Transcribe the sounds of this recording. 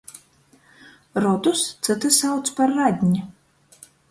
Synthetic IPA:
rɔt̪ust͡s̪ɨt̪ʰɨsawt̪spɐrːad̪ʲnʲɪ

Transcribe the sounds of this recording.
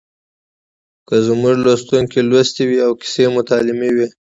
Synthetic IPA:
kəzmuʒlost̪uŋkelwast̪iwiawkɪ̥semʊt̪ɑlɪmewi

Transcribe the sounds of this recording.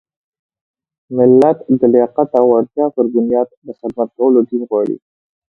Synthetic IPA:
mɪlːat̪d̪əleqat̪awaɾt̪jɑpəɾɡʊnjɑːd̪d̪əxɪd̪̚mat̪̚kawəlod̪inɣwɑɽḭ

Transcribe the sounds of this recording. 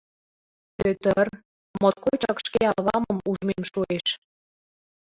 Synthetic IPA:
pøt̪ər | mot̪̚kojt͡ɕɑkʃkeɑβɑmə̆muʒmemʃueʃ

